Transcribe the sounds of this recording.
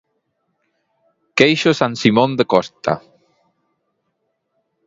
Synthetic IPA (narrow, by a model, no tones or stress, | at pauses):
kejʃosansimõnd̪ekɔst̪a̰